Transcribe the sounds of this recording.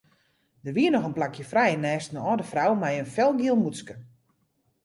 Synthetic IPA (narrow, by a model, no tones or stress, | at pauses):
dərʋiənɔxənplakjəfrɛjənɛːstnəɔːdəfrawmɛjənfɛlˠɡilˠmuskə